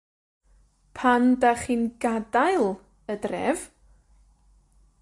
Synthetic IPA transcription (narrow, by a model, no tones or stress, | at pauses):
pʰandaχiːnɡadajlˠ | ədrɛ̰v